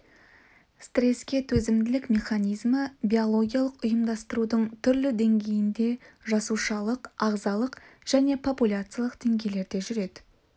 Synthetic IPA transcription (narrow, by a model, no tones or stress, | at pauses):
st̪ɾʲe̞skʲe̞t̪ʰɵzɪmd̪ɪlɪkmʲe̞χanijzməbʲio̞lˠo̞ɡʲijalˠəqʊjəmd̪ɑst̪əɾud̪əɴt̪ʰʏɾlɪd̪e̞ŋɡʲe̞jɪnd̪e̞ʒɑsuʃɑlˠəqɑʁzɑlˠəqʒ̥æne̞pʰo̞pulʲat̪sɨjalˠəqd̪̥e̞ŋɡʲe̞jle̞ɾd̪e̞ʒʏɾe̞d̪ɪ